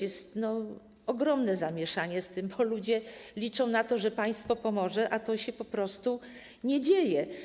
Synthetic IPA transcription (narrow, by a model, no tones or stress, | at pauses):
jɛst̪nɔ | ɔɡɾɔmnɛzamʲjɛʂaɲɛst̪ɘmbɔlud͡ʑɛlʲit͡ʂɔ̃w̃nat̪ɔʐɛpaj̃st̪fɔpɔmɔʐɛʔat̪ɔɕɛpɔpɾɔst̪u | ɲɛd͡ʑejɛ